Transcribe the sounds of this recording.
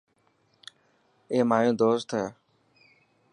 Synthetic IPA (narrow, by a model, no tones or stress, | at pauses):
eːmaːjõːd̪oːst̪ʰeː